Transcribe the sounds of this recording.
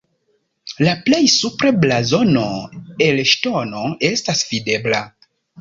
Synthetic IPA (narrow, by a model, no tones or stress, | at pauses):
laple̞jsupɾeblazo̞no̞elʃto̞no̞e̞stasv̥ide̞bla